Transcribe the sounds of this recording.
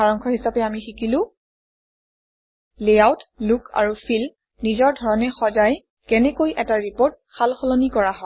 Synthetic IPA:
aɹɔŋkʰɔɦisapɛamixikilʊ̃ | leawtlukʰa̰ɹufʰil | nizɔɹdʱɔɹɔnɛxɔzaj | kɛnɛkojʔɛtaɹipɔɹt̚xalxɔlonikɔɹaɦɔ

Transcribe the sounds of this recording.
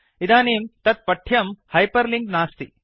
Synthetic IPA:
id̪aːniːmt̪ɐt̪̚pɐʈʰjɐmhɐjpɐɾliŋɡnaːst̪i

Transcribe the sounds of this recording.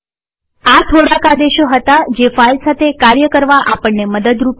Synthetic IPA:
at̪ʰoɽakad̪eʃoɦət̪ad͡ʒefailsat̪ʰekaɾjəkəɾʋaʔapəɳːeməd̪əd̪ɾup

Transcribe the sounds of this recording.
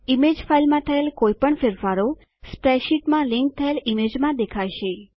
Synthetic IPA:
imed͡ʒfailmãt̪ʰəelkoipəɳfɪɾfaɾo | spɾɛʃiʈmãliŋk̚t̪ʰəelimed͡ʒmãd̪ekʰajʃe

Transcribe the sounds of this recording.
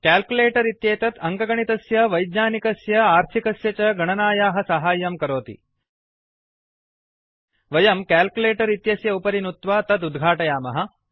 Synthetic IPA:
kaːlkuleːʈɐɾit̪jeːt̪ɐt̪ɐŋkɐɡɐɳit̪ɐsjɐʋɐjd̪ɲaːnikɐsjɐaːɾt̪ʰikɐsjɐt͡ʃɐɡɐɳɐnaːjaːɦɐsɐɦaːjɐmkɐɾoːt̪ḭ | ʋɐjɐmkaːlkuleːʈɐɾit̪jɐsjɐupɐɾinut̪ʋaːt̪ɐt̪ud̪ɡʱaːʈɐjaːmɐɦɐ̆

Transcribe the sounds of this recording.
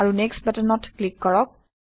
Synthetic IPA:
aɹunɛkst̚batənɔtklikːɔɹɔk̚

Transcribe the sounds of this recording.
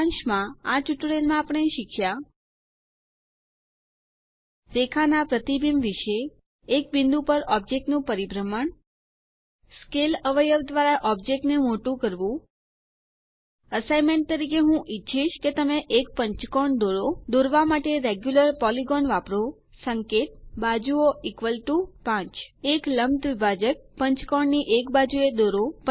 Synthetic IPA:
nʃmãat͡ʃuʈɽelmãapəɳ̃eʃikʰja | ɾekʰanapɾət̪ibimʋiʃeː | k̚bind̪ũpəɾɔb̚d͡ʒek̚ʈnũpəɾibɾəməɳ | skeləʋəjəʋd̪ʋaɾaʔɔb̚d͡ʒek̚ʈnemoʈũkəɾʋũ | əsajmẽɳʈ̚t̪əɾikeɦũʔitːʃʰiʃket̪əmeʔek̚pəɲt͡ʃkɔɳd̪oɾod̪oɾʋamaʈeɾeɡjuləɾpɔliɡɔnʋapɾo | səŋket̪̚bad͡ʒuoikʋəlʈupãt͡ʃekləmt̪ʋibʱad͡ʒək̚pəɲt͡ʃkɔɳniʔekbad͡ʒued̪oɾop

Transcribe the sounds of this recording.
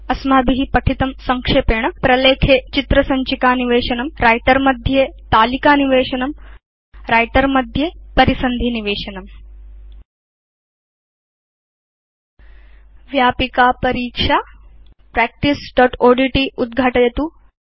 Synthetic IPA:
ɐsmaːbiɦipɐʈʰit̪ɐmsɐŋkʂeːpeːɳɐpɾɐleːkʰeːt͡ʃit̪ɾɐsɐɲt͡ʃikaːniʋeːʃɐnɐmɾaːjʈɐɾmɐd̪ʱjeːt̪aːlikaːniʋeːʃɐnɐm | ɾaːjʈɐɾmɐd̪ʱjepɐɾisɐnd̪ʱiniʋeːʃɐnɐm | ʋjaːpikaːpɐɾiːkʂaː | pɾɛːk̚ʈisɖɔːʈoːɖiːʈiʔud̪̚ɡʱaʈɐjɐt̪u

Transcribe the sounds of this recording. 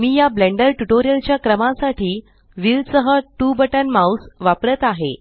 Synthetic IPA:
miːjablɛɳɖəɾʈuʈoɾijəlt͡ɕjakɾəmãsaʈʰiː | ʋilsəɦəʈubəʈənmawsʋapɾət̪aɦḛ

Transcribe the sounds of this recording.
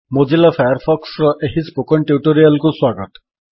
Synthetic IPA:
mod͡ʒilafʰajaɾpʰɔksɾɔʔeɦispokɔɳʈjuʈoɾijalkuswaɡɔt̪

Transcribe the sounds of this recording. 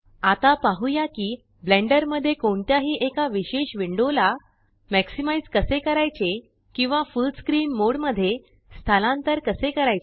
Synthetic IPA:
at̪apaɦujakiː | blẽɳɖəɾməd̪ʱːjekoɳt̪jaɦiːʔekaʋiɕeɕʋiɳɖola | mɛksimaid͡zkəsekəɾajt͡se | kĩw̃ʋafulɖskɾiːnmoɽməd̪ʱːje | st̪ʰalãnt̪əɾkəsekəɾaje

